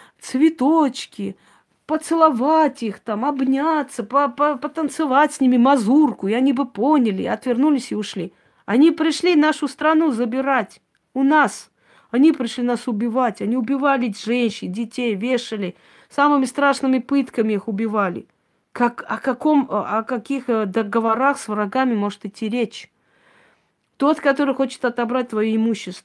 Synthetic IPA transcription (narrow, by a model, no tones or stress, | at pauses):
t̪svʲɪt̪ot͡ɕkʲɪ | pət̪sɨlˠɐvatʲixt̪amɐbnʲat̪sːəpəpəpət̪ənt̪sɨvatʲsʲnʲimʲɪmɐzurkʊiɐnʲibɨponʲɪlʲɪ̰ɐt̪vʲɪrnulʲɪsʲɪʊʂlʲi | ɐnʲipɾʲɪʂlʲinaʂʊst̪ɾɐnuzəbʲɪɾatʲ | ʊnas | ɐnʲipɾʲɪʂlʲinasʊbʲɪvatʲɐnʲiʊbʲɪvalʲɪʐɛnʲɕɪndʲɪtʲejvʲeʂɨlʲɪ | samɨmʲɪst̪ɾaʂnɨmʲɪpɨt̪kəmʲɪixʊbʲɪvalʲɪ̰ | kakɐ̰kɐko̞mɐkɐkʲixd̪əɡəvɐɾaxsvrɐɡamʲɪmo̞ʐɨt̪ɨtʲːiɾʲet͡ɕ | t̪o̞t̪kɐt̪o̞ɾɨjxo̞t͡ɕɪ̥t̪ɐt̪ɐbɾat̚ʲt̪vɐjuɪmuɕːɪst̪